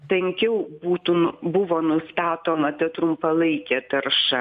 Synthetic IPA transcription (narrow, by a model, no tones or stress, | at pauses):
pʲɛŋʲkʲɛʊbuːt̪ubʊʋoːnʊst̪ɑːt̪oːmɐt̪ɐt̪ɾʊmpɐlˠɐɪkʲɛt̪ɐɾʃɐ